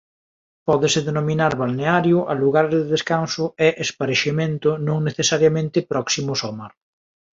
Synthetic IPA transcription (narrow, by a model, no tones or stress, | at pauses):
pɔðɪsɪðenomĩnaɾβalneaɾjʊʔaluɣaɾðeðeskansʊɛʔespaɾeʃemẽnt̪ʊnõŋneθesaɾjamẽnt̪ɪpɾɔksimʊsɔmaɾ